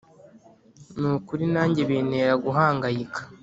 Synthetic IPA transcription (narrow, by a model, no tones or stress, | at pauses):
nuːkuɾinaːɲɟeβiːne̞ːɾaɡuɦaːŋɡajikʰḁ